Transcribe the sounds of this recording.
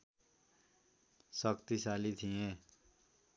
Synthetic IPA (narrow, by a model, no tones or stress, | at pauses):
səkt̪isaːlit̪ʰĩẽː